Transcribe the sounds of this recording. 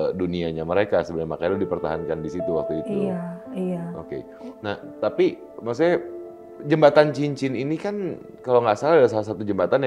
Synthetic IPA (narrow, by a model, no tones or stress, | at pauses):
duniaɲaməɾekasəbənajmakajdldipərt̪aɦankandisit̪uwa̰k̚t̪uit̪u | aokḛ | naht̪api | mas̬uɲa | d͡ʒəmbat̪ant͡ʃiɲt͡ʃininikan | kaloŋɡasalalasalas̬at̪ud͡ʒəmbat̪anj